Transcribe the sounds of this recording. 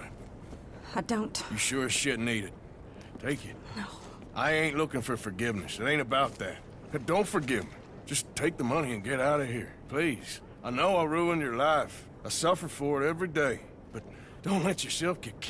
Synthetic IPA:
aɪdõʊ̃ntjɨʃʊɹɨʃɪtⁿniɾɨd̚ | tʰeɪkɨtno | ʔa̰ɪẽɪ̃nʔˡlʊkɪ̃ŋfə˞fə˞ɡɪvnɨ̰sɨɾẽɪ̃nɨbaʊt̪̚ðæ̰t̚ | d̥õʊ̃ntfə˞ɡɪvmi̥ | d͡ʒ̥ʌstʰeɪk̚ðəmʌñiɨ̃nɡɛɾaʊɾʌvhiɹpʰl̥iz̥ | aɪnoʊaɪɹuə̃njə˞laɪf | aɪsʌfə˞fə˞ɨɾɛvɹideɪ | b̥ʌt̚ | d̥õʊ̃ntlɛt͡ʃə˞sɛlˠfɡ̥ɨkʰ

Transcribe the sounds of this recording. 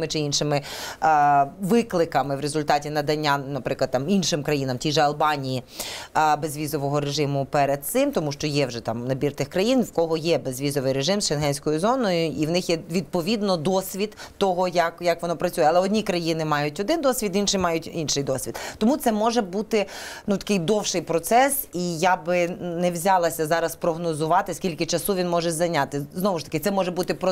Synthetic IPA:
mɪt͡ʃɪinʃɪmɪ | ʋɪklˠɪkɐmɪʋɾezʊlʲt̪ɑtʲinɐd̪ɐnʲːanɐpɾɪklˠɐd̪̚t̪ɑminʃɪmkɾɐjinɐmtʲijʒɛɐlˠbɑnʲiji | bezʲʋʲizɔʋɔɦɔɾeʒɪmʊpɛɾed̪̚t̪sɪmt̪ɔmuʃt͡ʃɔjɛwʒɛt̪ɑmnɐbʲirt̪ɪxkɾɐjinʋkɔɦɔjɛbezʲʋʲizɔʋɪjɾeʒɪmzʃɛnɦɛnʲsʲkɔjʊzɔnɔjʊʔiwnɪxjɛʋʲid̪̚pɔʋʲid̪nɔd̪ɔsʲʋʲid̪t̪ɔɦɔjɐkjɐkʋɔnɔpɾɐt͡sʲujɛɐlˠɛɔdʲnʲikɾɐjinɪmɑjʊtʲɔd̪ɪnd̪ɔsʲʋʲit̪inʃɪjmɑjʊtʲinʃɪjd̪ɔsʲʋʲid̪̚t̪ɔmut̪sɛmɔʒɛbut̪ɪnut̪ɐ̥kɪjd̪ɔwʃɪjpɾɔt̪sɛsijabɪnɛʋzʲɑlˠɐsʲɐzɑɾɐspɾɔɦnɔzʊʋɑt̪ɪsʲkʲilʲkɪt͡ʃɐsuʋʲinmɔʒɛzɐjnʲɑt̪ɪznɔʋʊʃt̪ɐ̥kɪt̪sɛmɔʒɛbut̪ɪpɔ

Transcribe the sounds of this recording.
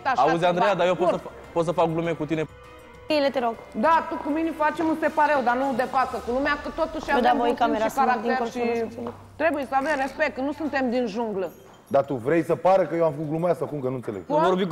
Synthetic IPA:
aauzʲand̪ɾejad̪ajepos | pot̪səfak̚ɡlumekut̪ine | elet̪eɾoɡ | d̪at̪ukuminifat͡ʃemuse̞paɾewd̪anud̪e̞fat̪səkulumeakət̪o̞t̪uʃad̪eaojkameɾakaɾakt̪eɾʃi | t̪ɾe̞bujesəavemrespe̞k̚t̪nusunt̪e̞md̪inʒuŋɡlə | d̪at̪uvɾejsəpaɾəkəjewamfəkuɡlumasəkumkənunselḛɡuvoɾbi

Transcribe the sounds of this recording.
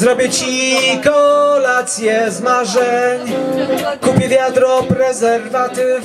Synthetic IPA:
zɾɔbʲjɛt͡ɕikɔlat̪sʲjɛzmaʐɛɲ | kupʲjɛvʲjad̪ɾɔpɾɛzɛɾvat̪ɪ

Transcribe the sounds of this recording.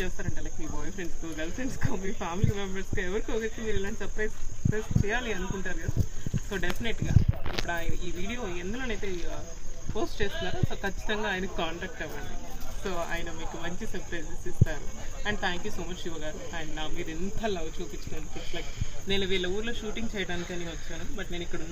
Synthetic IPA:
t͡ʃeːst̪aːɾɐɳʈːelɐːkmiːbɔːjɐfʰɾeɳɖst̪oːd̪ɐlɐsenskoːmiːpʰaːmliɐʋɐbɐskɐɛʋɐɾikiokɐt̪ːimiːɾilaːɳʈsɐpɾespɾeːst͡ʃɛːjaːliɐnukuɳʈaːɾuɡɐd̪so̞ːɖepʰineʈɡaːipːɐɽuaːjɐnɐʔiːʋiːɽijoːend̪ɐloːnɐjt̪eː | poːsʈt͡ʃeːst̪unːaːɾusoːkɐt͡ʃːi̥t̪ɐŋɡaːjɐnɐkʲikaːɳʈaːk̚ʈɛʋːɐɳɖiso̞ːa̰ːjnɐmiːkumɐɲt͡ʃisɐɾpɾɐjszsist̪aːɾuɛɳɖt̪ʰaːŋkjuːso̞ːmɐt͡ʃuʋɐɡaːɾuɐjɐɳɖnaːmmiːd̪int̪aːlɐʋt͡ʃuːpit͡ʃːɐd̪ɐnpeslɐjkne̞ːnuʋiːɭːɐuːɾloːʃuːʈiŋɡt͡ʃɛːjɐɽaːnikiɐnikʲiʋɐt͡ʃːaːnubɐʈne̞ːnikːɐɽɐunː

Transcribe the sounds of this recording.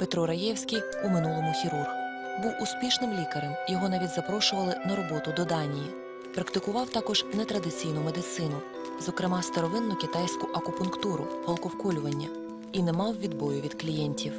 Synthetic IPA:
pet̪ɾɔɾɐjɛwsʲkʲij | umɪnulˠɔmʊxʲiɾurxʊ | buwʊsʲpʲiʃnɪmlʲikɐɾɛmjɔɦɔnɑʋʲidʲzɐpɾɔʃʊʋɐlˠɪnɐɾɔbɔt̪ʊd̪ɔd̪ɑnʲiji | pɾɐkt̪ɪkʊʋɑwt̪ɑkɔʒnɛt̪ɾɐd̪ɪt͡sʲijnʊmed̪ɪt̪sɪnʊ | zɔkɾɪmɑst̪ɐɾɔʋɪnːʊkʲɪt̪ɑjsʲkʊʔɐkʊpʊnkt̪uɾʊ̰pɔlˠkɔwkɔlʲʊʋɐnʲːɐ | inɛmɑwʋʲid̪bɔjʊʋʲid̪klʲijɛnʲtʲiw

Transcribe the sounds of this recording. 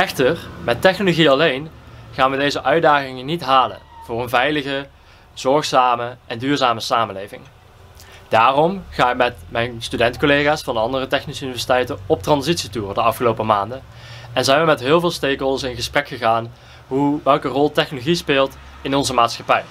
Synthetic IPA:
ɛxtərmɛtɛxnoloɣiɑlejnχaːnʋədejzəʔœɥdaːɣɪŋənitɦaːlə̰nv̥ʊːrənvɛjləɣə | z̥ɔɹχsaːməʔɛndyːɹzaːməsaːmənlejvɪ̰ŋ | d̥aːrɔmχaːnɪkmɛtmɛjnstydɛntkolejɣaːsfɑnəɑndərətɛxnisəynivɛsitɛjtənɔp̚trɑnzitsituːrdəɑfχəlowpəmaːndə | ɛnzɛjnʋəmɛtɦɪːlˠvɪːlˠstejkɦɔlˠdəsɪnɣəsprɛkχəɣaːn | ɦuʋɛlˠkərɔlˠtɛxnoloɣispɪːlˠt | ɪnɔnzəmaːtsχɑpɛj

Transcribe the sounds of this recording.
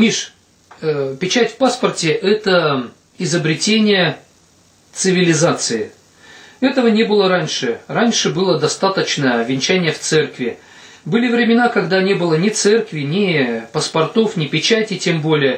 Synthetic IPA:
mʲiʂ | pʲɪt͡ɕætʲfʲpaspərtʲɪʔɛt̪ə | ɪzəbɾʲɪtʲenʲɪjə | t̪sɨvʲɪlʲɪzat̪sɨɪ | ɛt̪əvənʲe̞bɨlˠəɾanʲʂɨranʲʂɨbɨlˠəd̪ɐst̪at̪ət͡ɕnəjəɐvʲɪnʲt͡ɕænʲɪjəft̪sɛrkvʲɪ | bɨlʲɪvɾʲɪmʲɪnakɐɡd̪anʲe̞bɨlˠənʲɪt̪sɛrkvʲɪnʲɪpəspɐrt̪o̞fnʲɪpʲɪt͡ɕætʲɪtʲembo̞lʲɪjə

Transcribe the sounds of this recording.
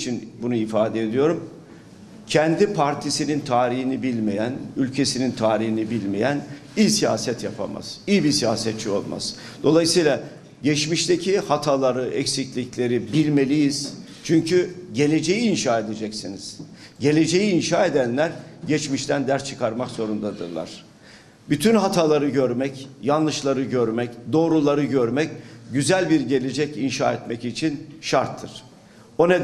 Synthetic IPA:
t͡ʃʰinbunuifaːd̪eed̪ijo̞ɾum | cʰɛnd̪ipʰaɾt̪ʰisinint̪ʰaːɾihinibilʲme̞jænylʲcʰe̞sinint̪ʰaːɾiɦinibilʲmejæn | ijsija̰ːsɛt̪ʰjapʰa̰ma̰z̥ijibisijaːsɛt̪̚t͡ʃʰio̞lˠma̰z̥ | d̪̥o̞lˠajɯsɯjlˠa | ɟɛt͡ʃmiʃt̪ʰecʰihat̪ʰalˠaɾɯɛcsiclʲiclʲe̞ɾibilʲme̞lʲijiz̥ | t͡ʃʰyɲcʰyɟe̞lʲe̞d͡ʒe̞jiːnʃaːe̞d̪e̞d͡ʒɛcsiniz̥ɟe̞lʲe̞d͡ʒe̞jiːnʃaːed̪ænlʲæɾɟɛt͡ʃmiʃt̪ʰænd̪æɾst͡ʃʰɯkʰaɾmakz̥o̞ɾund̪ad̪ɯ̰ɾlˠa̰ɾ̥ | byt̪ʰynɦat̪ʰalˠaɾɯɟøɾmɛcjanlˠɯʃlˠaɾɯɟøɾmɛcd̪o̞ːɾulˠaɾɯɟøɾmɛcɟyzælʲbiɾɟe̞lʲe̞d͡ʒɛcinʃa̰ːɛt̪mɛcit͡ʃʰinʃaɾt̪ʰːɯɾ̥ | o̞ne

